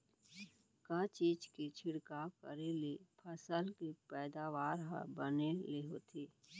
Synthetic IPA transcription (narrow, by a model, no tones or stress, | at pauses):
kat͡ʃiːd͡ʒkit͡ʃʰɪɽkakə̰ɾelepʰəsəlkipɛːd̪aːʋaːɾɦə̰bəneleɦoːt̪ʰiː